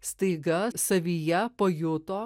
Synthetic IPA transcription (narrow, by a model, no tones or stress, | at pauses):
st̪ɐɪɡɐsɐʋʲijɛpoːjʊt̪oː